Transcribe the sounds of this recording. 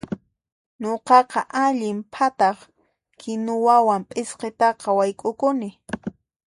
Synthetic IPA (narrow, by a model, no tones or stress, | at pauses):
ɲoqɑqɑʔaʎɪmpʰat̪ɑχ | kʰɪnʊwawampʼɪsqet̪ɑqɑwajkʼʊkʊnɪ